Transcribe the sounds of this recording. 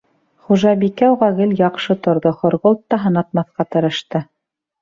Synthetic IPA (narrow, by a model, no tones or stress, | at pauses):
χuʒɑbikæwʁæɡɘljɑqʃɤt̪ŏɾðoχŏɾʁolˠt̪ːɑɦɤ̆nɑt̪̚mɑθqɑt̪ɤ̆ɾɤ̆ʃt̪ɤ